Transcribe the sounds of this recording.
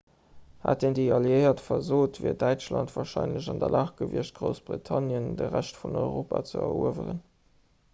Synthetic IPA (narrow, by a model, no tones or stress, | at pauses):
ha̰ːtendeɑljəɪɐtfɐzoːtvḭɐdæɪt͡ʃlɑntv̥ɑːʃɑɪnləʑɑndɐlʔaːχɡ̥əviəʃt̚ɡ̥ʁoʊsb̥ʁitʰɑnjəndəʁæʃtfunɔʏʁoːpat͡səɐṵəvəʁən